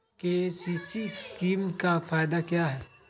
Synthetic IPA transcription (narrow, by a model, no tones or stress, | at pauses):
kesiːsiskiːmkafaːɪd̪akjaɦɛː